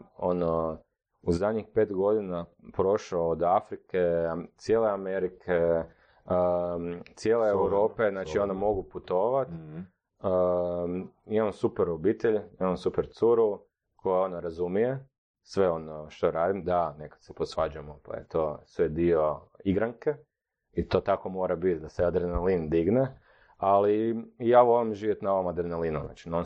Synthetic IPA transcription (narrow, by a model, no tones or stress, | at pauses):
ono | uzad̪ʲɲixpe̞t̪ɡo̞d̪inapɾo̞ʃaod̪afɾiket̪sjeːleameɾikʰe | t̪sjeleewuɾo̞ːpe̞znaːt͡ʃionamo̞ɡuput̪o̞ːʋat̪ | ə | imaamsupeɾobit̪eʎimamsupeɾt̪suɾu | kʰo̞jeo̞noɾazumije̞ | sʋe̞o̞noʃt̪oɾaːd̪imd̪ane̞kḁt̪seposʋad͡ʒuemopa̰jḛt̪o̞sʋed̪ioiɡɾaŋke | it̪o̞t̪akomo̞ɾabit̪d̪asead̪ɾenelind̪iɡne | aliijaːʋolimʒiːʋje̞t̪naoʋomad̪ɾenelinuna̰ːt͡ʃinon